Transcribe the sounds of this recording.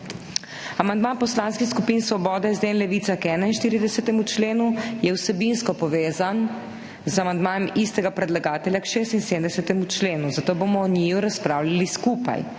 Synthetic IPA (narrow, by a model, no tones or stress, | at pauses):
amand̪maːnpɔslaːnskixskupiːnsʋɔbɔːd̪ɛzd̪eːnlɛʋiːt̪sakɛːnainʃt̪iːɾid̪ɛsɛt̪ɛmut͡ʃleːnujɛwsɛbinskɔpɔʋeːzan | zamand̪maːjɛmist̪ɛɡapɾɛd̪laɡaːt̪ɛljakʃeːst̪inseːmd̪ɛsɛt̪ɛmut͡ʃleːnuzat̪oːbomɔːɲiːjuɾaspɾawlʲaliskuːpa̰j